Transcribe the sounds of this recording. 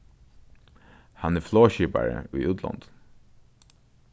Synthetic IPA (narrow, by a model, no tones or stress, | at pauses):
hanɛfloːɕiːpa̰ɹə̰ʏːut̪ʰlɑ̰nd̪̥